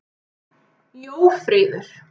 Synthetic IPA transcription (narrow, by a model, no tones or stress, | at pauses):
joːwfɾɪːðʏɾ̥